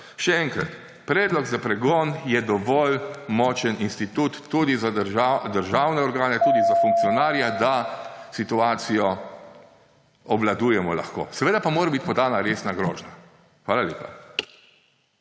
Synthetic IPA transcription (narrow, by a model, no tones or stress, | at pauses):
ʃɛɛŋkɾa̰t̪ | pɾɛːd̪lɔɡzapɾɛɡɔːnjɛd̪ɔʋɔːlmɔːt͡ʃəninst̪it̪uːt̪ːuːd̪izaɾad̪əɾʒawnɛɔɾɡaːnɛt̪uːd̪izafuŋk̚t̪sijɔnaːɾjad̪asit̪uaːt̪sijɔ | ɔblad̪uːjɛmɔla̰xko̰ːsɛʋeːd̪apamoːɾabit̪pɔd̪aːnaɾeːsnaɡɾoːʒna | xʋaːlalʲeːpa̰